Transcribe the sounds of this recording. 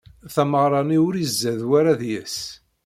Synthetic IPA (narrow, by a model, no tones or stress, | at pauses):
θæməʁɾˤɑniʊɾizːæðwaɾaðjəs